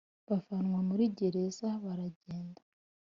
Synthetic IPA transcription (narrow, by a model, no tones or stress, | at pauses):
βafanŋwamuɾiɟe̞ɾe̞zaβaɾaɟeːnda